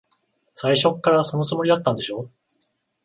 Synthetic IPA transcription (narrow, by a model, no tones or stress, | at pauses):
saiɕo̞kːaɾaso̞no̞t͡sɨmo̞ɾid̪at̪ːãnd̪e̞ɕo̞ː